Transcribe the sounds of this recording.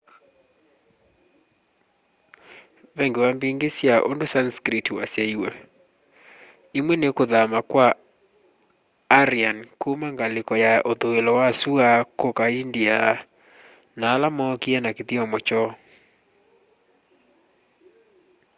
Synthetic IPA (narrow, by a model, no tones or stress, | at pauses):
βɛŋɡewambiŋɡesjaʔo̰ndosanskɾitwasjaiwa | imwɛnekoðamakwa | ɾiankumaŋɡalekɔjaʔoðoelɔwasuakokaindia | naːlamɔkiɛnakeðiɔmɔt͡ʃɔ